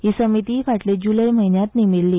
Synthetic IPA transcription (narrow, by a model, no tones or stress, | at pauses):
ɦiːsəmit̪ifaʈled͡ʑuləjm̤əɦinjat̪nimiɭliː